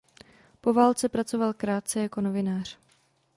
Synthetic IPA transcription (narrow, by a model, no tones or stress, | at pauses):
po̞vaːlt͡sɛpɾat͡so̞valkɾaːt̪̚t͡sɛjako̞no̞vɪnaːr̝̥